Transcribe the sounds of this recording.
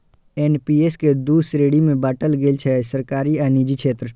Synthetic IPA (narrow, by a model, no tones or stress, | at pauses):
eːnpiːeːsked̪uːsɾeːɽimẽbaːʈəlɡeːlt͡ʃʰɛːsəɾkaːɾiaːniːd͡ʒikʃʰeːt̪ɾə